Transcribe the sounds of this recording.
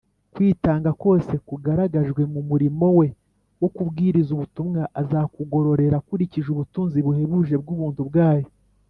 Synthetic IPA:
kwiːtaːŋɡako̞ːse̞kuɡaɾaɡaʒɡwe̞mumuɾimo̞we̞ | wo̞kubɡiːɾizuβutumŋaʔazakuɡo̞ɾo̞ɾe̞ɾakuɾiciʒuβutuːnziβuhe̞βuʒe̞b̚ɡuːβuːntubɡaːjo

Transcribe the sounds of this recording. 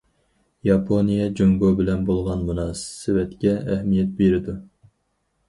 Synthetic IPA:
jɑpʰonijɛd͡ʒoŋɡobɪlɛnbolˠʁɑnmunɑːssɨwɛt̪kʲɛːɦmijɛt̪̚beɾɪd̪u

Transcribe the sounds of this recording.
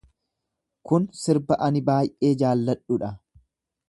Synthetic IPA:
kʊnsɪɾbɐʔɐnɪbaːjʔe̞ːd͡ʒaːlːɐᶑʊᶑɐ

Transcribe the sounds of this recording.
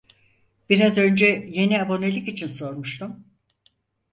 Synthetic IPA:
b̥iɾazø̞nd͡ʒɛje̞niabo̞nelʲikit͡ʃʰinso̞ɾmuʃt̪ʰum

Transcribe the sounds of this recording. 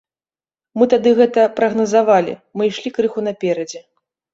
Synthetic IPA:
mɨt̪ad̪ɨɣɛt̪ɐpɾɐɣnɐzavalʲḭmɨjʂlʲikɾɨxunɐpʲɛɾɐd͡zʲɛ

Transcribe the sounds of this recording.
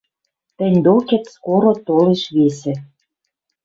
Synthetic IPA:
t̪ɘ̆nʲd̪okĕt̪skoɾot̪oleʃβesĕ

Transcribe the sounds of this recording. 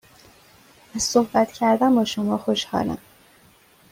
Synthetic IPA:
æz̥sohbæt̪cʰæɾd̪æmbɒːʃo̞mɒːxoʃhɒ̰ːlæ̰m

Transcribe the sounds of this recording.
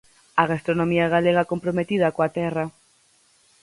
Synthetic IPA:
aɣ̞ast̪ɾonomiaɣaleɣ̞akompɾomet̪ið̞akoat̪ɛra

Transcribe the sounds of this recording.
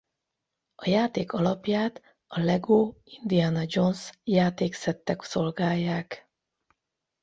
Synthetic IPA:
ɒjaːt̪eːkɒlɒpjaːt̪ | ɒlɛɡoːind̪ianɒd͡ʒo̞nsjaːt̪eːksɛt̪ːɛkso̞lɡaːjːaːk

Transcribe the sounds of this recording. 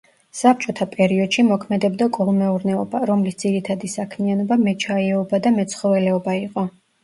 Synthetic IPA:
sap̚t͡ʃʼɔt̪ʰapʼɛɾiɔd̪̥ʃimɔkʰmɛd̪ɛbd̪akʼɔlˠmɛuɾnɛɔbaɾɔmlisd̪ziɾit̪ʰad̪isakʰmianɔbamɛt͡ʃʰaɛɔbad̪amɛt̪sʰχɔvɛlɛɔbaiqʼɔ

